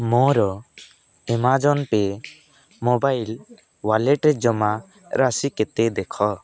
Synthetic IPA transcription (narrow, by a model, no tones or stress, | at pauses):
mɔ̃ɾɔ | ɛmad͡ʒɔnpɛ | mɔbajl | walɛʈɾɛd͡ʒɔma | ɾʔasikɛt̪ɛd̪ɛkʰɔ